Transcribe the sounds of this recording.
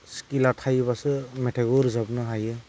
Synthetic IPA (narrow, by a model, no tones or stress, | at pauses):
skilatʰajbasɯmeʈʰeɡoɾzabnaɦajɯ